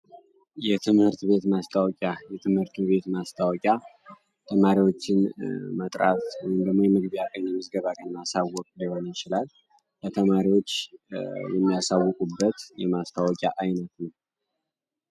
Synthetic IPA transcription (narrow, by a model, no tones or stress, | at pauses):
jɛt̪ʰɨmhɨɾt̪be̞t̪mast̪ʰawɔkʼajɛt̪ʰɨmhɨɾt̪ʰube̞t̪mast̪ʰawɔkʼa | t̪ʰəmaɾiwo̞t͡ʃːɪnmət̪ʼɾa̰t̪wɔjimd̪əɡmo̞jɛmɨɡbijakʼajnɛmɨzɡəβakʰənmasawːɔkʼliho̞nəjɪt͡ʃɪlal | lət̪ʰəmaɾiwot͡ʃːjɛmːijasawːɔkʼubːət̪jɛmast̪ʰawɔkʼja̰ʔajnət̪nəw